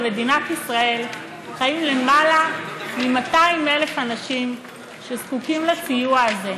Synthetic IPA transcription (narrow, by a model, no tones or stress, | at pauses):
me̞d̪inat̪isʁae̞l | χaimlemalamimat̪aimelefanaʃim | ʃezkukimlat͡sijuaːze̞